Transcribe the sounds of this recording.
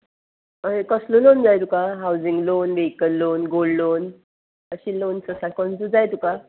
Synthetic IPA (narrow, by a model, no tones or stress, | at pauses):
əekəslolond͡zajt̪ukaɦawd͡ziŋɡlonʋekənːonɡollon | əɕilonsəsakɔnt͡sud͡zajt̪uka